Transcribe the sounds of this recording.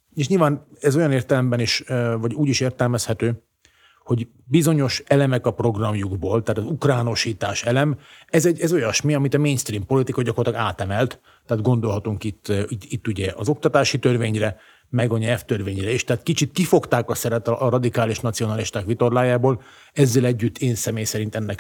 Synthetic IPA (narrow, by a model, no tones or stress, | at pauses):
eːʃ̬ɲilvaːnɛzo̞jɒneːrt̪ɛlɛmbɛniʃvɒɟuːɟiʃeːrt̪ɛlmɛshɛt̪øː | ho̞ɟ | bizo̞ɲo̞ʃɛlɛmɛkɒpro̞ɡrɒmjuɡboːlt̪ɛːt̪ɒzukraːno̞ʃiːt̪aːʃɛlɛmɛzɛɟɛzo̞jɒʃmiɒmit̪ɒmeːnst̪riːmpo̞lit̪ikɒɟɒkorɑt̪lɑɡaːt̪ɛmɛlt̪ː | ɛaːd̪ɡo̞nd̪o̞lɦɒt̪uŋkit̪ːit̪ːuɟɛʔɒ̰zo̞k̚t̪ɒt̪aːʃit̪ørveːɲrɛ | mɛɡɒɲɛlft̪ørveːɲrɛeːʃt̪ɛaːt̪kit͡ʃit̪kifo̞kt̪aːkɒsɛɾɛt̪ɒʔɾɒd̪ikaːliʃnɒt̪sijo̞nɒliʃt̪aːkʋit̪o̞rlaːjaːboːl | ɛzːɛlɛɟːyt̪ːeːnsɛmeːjsɛɾint̪ɛnːɛk